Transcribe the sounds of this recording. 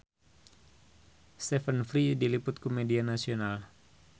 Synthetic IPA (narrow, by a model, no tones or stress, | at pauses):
st̪ɛfənfɾidilipʊt̪̚komedianasional